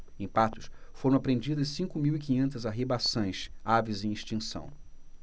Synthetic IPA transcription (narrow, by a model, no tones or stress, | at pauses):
ẽj̃pat̪ʊʃfoɾɐ̃w̃apɾẽnd͡ʒid̪ɐssĩŋkʊmiwik̬ĩɲẽnt̪ɐzaɦibasõj̃savizẽj̃iʃt͡ʃĩsɐ̰̃w̃